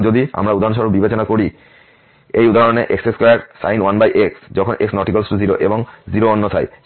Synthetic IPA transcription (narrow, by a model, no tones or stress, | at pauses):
d͡ʑod̪ia̰mɾaud̪ʱaɾonʃ̬ɔɾobibet͡ɕonakoɾi | ejud̪ʱaɦoneʔekseskaʈsa̰jnwanbajʔeksd͡ʑɔkʰonʔeksnɔʈikalsʈuziɾoʔeboŋziɾoonːot̪ʰa̰j